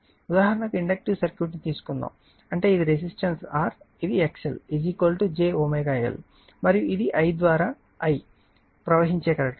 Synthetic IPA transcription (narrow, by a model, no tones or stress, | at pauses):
ud̪aːɦɐɾɐɳɐkuiɳɖɐk̚ʈiʋsɐɾkjuːɾiʈ̬it̪iːsu̥kund̪a̰ːm | ɐɳʈe̞ːid̪iɾes̬isʈɐnsaːɾ | id̪ieksḛlid͡ʒikolʈud͡ʒeːoːmɐjɡaːjɐ̰l | mɐɾijuʔid̪iʔɐjd̪ʋaːɾaː | ɐj | pɾɐʋɐɦiɲt͡ʃeːkɐɾekʈ